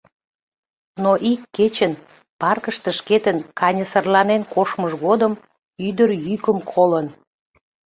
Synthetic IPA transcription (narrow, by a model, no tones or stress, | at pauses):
noʔikːet͡ɕən | pɑrkəʃt̪ə̆ʃket̪ənkʰɑnʲəsərlɑnenkoʃməʒɣod̪əm | yd̪əɾjykəmkʰolən